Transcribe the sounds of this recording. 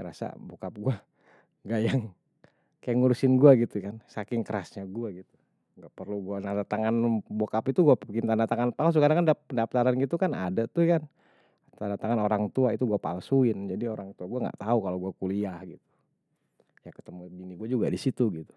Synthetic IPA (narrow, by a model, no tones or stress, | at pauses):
ɾa̰sa̰bokap̚ɡua | ŋɡajaŋ | kajaŋuɾusɪnɡuaɡit̪ukansakɪŋkəɾasɲaɡuaɡit̪u̥ | ŋɡaʔpərluɡuanadat̪aŋanbokapit̪uɡuapkɪnt̪andat̪aŋanpals̬ukadaŋkandapəndapt̪aɾanɡit̪ukana̰dat̪uhkan | t̪andat̪aŋanoɾaŋt̪uait̪uɡuapa̰lsuɪnd͡ʒadioɾaŋt̪uaɡuaŋɡa̰ʔt̪aukaloɡuakuliahɡit̪u̥ | jakə̥t̪əmubiniɡuad͡ʒuɡadisit̪uɡit̪u̥